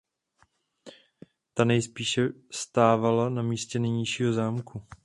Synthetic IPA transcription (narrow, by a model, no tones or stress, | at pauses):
t̪anɛjspiːʃɛst̪aːvalanamiːscɛnɛjɲɪʃiːɦo̞zaːmku